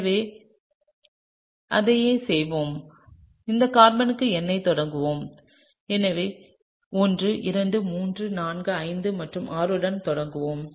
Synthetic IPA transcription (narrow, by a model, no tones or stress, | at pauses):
ɐʋeː | ʔɐðɐjeːsɛjʋoːm | ɪnd̪ɐkaːɾmɐnɯkːɯɛnːɐɪt̪ɔɽɐŋɡɯʋoːm | ɛnɐʋeː | ɔndrɯʔɪɾɐɳɖɯmuːndrɯnaːnɡɯɐɪnd̪ɯmɐʈrɯmʔaːɾɯɽɐnt̪ɔɽɐŋɡɯʋoːm